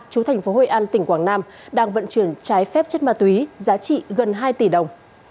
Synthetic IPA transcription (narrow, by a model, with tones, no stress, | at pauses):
t͡ɕu˨˦t̪ʰɛ˨˩jŋ̟fo˨˦ɦo̰˧˨ʔaː˧nt̪ï˧˩ŋ̟kwaː˧˩ŋnaː˧m | ɗaː˧ŋvə̰˧˨nt͡ɕwi˧˩ənt͡ɕaː˨˦jfɛ˦˥p̚t͡ɕə˦˥t̚maː˨˧˩t̪wi˨˦zaː˨˦t͡ɕḭ˧˨ɣə˨˩nɦaː˧jt̪i˧˩ɗə˨˩wŋ͡m